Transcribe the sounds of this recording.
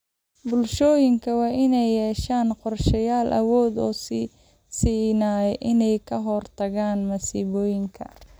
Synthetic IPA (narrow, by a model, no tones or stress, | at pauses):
bʊlʃɔːjɪŋkʰɐwɑːʔɪnɛjːɛːʃaːnqɔrʃɐjaːlʔɐ̰wɔːd̪ɔːsi | siːnaːɛʔɪnɛjkʰɐɦɔrt̪ʰɐɣaːnmɐsiːβɔːjɪŋkʰɐ̰